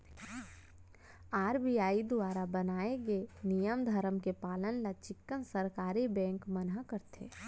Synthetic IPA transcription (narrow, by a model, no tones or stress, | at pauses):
aːɾbiaːid̪uaːɾabənaːeɡenijəmd̪ʱəɾəmkepaːlənlat͡ʃɪkːənsəɾkaːɾibɛ̃ːŋkmənɦakəɾt̪ʰḛː